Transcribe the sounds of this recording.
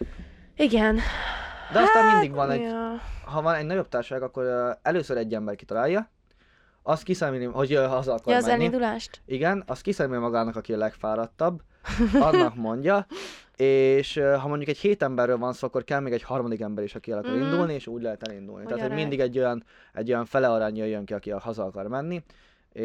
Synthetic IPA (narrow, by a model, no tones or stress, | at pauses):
iɡɛnd̪ɛɒzamind̪iɡvɒnɛ | ɦɒvɒnɛɟnɒɟo̞b̚t̪aːrʃʃaːɡɒkːo̞ɾɛløːsøɾɛɟːɛmbɛrki̥t̪ɒlaːjɒ | ɒst̪̚kisɛmilihoɟøɒzɒlkːmɛɛlːiid̪ulaːʃt̪iɡɛnɒst̪̚kisɛmilimɒɡaːnɒkɒkiɒlɛkfaːɾɒt̪ːɒbː | ɒnːɒkmo̞ɲɟɒeːʃɦɒmo̞ɲɟukɛcheːt̪ɛmbɛrːøːlvɒnsoːɒkːo̞rkɛlmeːɡɛchɒrmɒd̪ikɛmbɛɾiʃɒkiɛlɒkɒɾind̪ulnieːʃuːɟlɛɦɛt̪ɛlind̪ṵlnit̪ɛaːt̪hoɟmind̪iɡɛɟːo̞jɒn | ɛ̰ɟːo̞jɒɱfɛlɛɒɾaːɲjøjːøŋkiɒkiɒhɒzɒɒkɒrmɛnːi | e